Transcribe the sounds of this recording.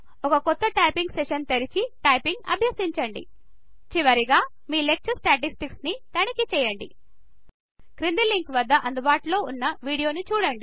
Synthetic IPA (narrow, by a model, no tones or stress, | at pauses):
ɔkɐkɔt̪ːɐʈɐjpiŋɡseʃɐnt̪eɾit͡ʃiʈɐjpiŋɡɐ̰bʱjɐsiɲt͡ʃɐɳɖḭ | t͡ʃiʋɐɾiɡaː | miːlek̚t͡ʃɐsʈaːʈ̬isʈiksnit̪ɐnikit͡ʃɛːjɐɳɖḭ | kɾind̪iliŋkʋɐd̪ːɐʔɐnd̪ubaːʈulo̞ːunːɐʋiːɽijo̞ːnit͡ʃuːɽɐɳɖi